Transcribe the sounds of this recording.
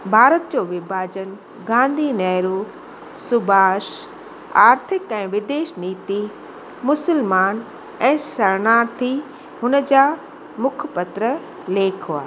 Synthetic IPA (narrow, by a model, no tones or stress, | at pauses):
bʱaːɾət̪̚d͡ʑoːʋɪbʱaːd͡ʑən | ɡãːnd̪ʱinɛːɾu | sʊbʱaːʃ | aːɾt̪ʰɪkɛ̃ːʋɪd̪eːʃniːt̪i | mʊsəlmaːn | ɛ̃ːsɐɾnaːɾt̪ʰi | ɦʊnəd͡ʑaː | mʊkʰpɐt̪ɾə | leːkʰoaːe